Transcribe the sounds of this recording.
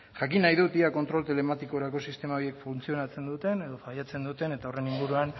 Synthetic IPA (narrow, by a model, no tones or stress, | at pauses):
ʝakinːajðut̪iako̞nt̪ɾo̞lt̪ele̞mat̪iko̞ɾako̞sist̪e̞maoje̞kfunt͡sio̞nat͡se̞nd̪ut̪e̞ne̞ðo̞fajat͡se̞nd̪ut̪e̞ne̞t̪ao̞re̞niŋɡuɾuan